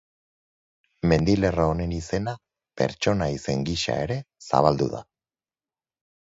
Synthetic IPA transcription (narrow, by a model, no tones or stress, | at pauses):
me̞nd̪ile̞raone̞nise̞na | pe̞̰ɾt͡ʃo̞naise̞ŋɡiʃa̰e̞ɾe̞sa̰βald̪ṵða̰